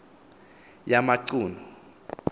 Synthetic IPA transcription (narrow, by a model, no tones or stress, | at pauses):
jamaǀuːnɔ